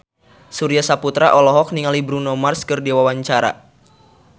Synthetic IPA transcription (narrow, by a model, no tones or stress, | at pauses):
suɾiasaput̪ɾaʔɔlɔɦɔk̚niŋalibɾunɔmarskɨrdiwawaɲt͡ʃaɾa̰